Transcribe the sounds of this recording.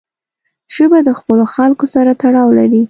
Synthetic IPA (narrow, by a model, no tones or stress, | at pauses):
ʒəbad̪əxpəloxalkosaɾat̪aɽɑwlaɾi